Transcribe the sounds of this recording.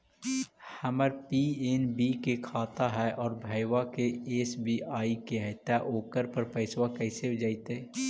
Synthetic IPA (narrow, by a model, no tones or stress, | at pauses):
həməɾpieːnbikekʰaːt̪aɦɛʔɔːɾbʱəjwakeeːsbʱiaːikeɦɛt̪ːaʔoːkəɾpəɾpəɪswakɛɪsebd͡ʒaːit̪eː